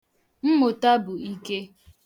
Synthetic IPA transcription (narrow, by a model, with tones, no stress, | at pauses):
m̩˦mʊ˨ta˦bʊ˨i˦ke˦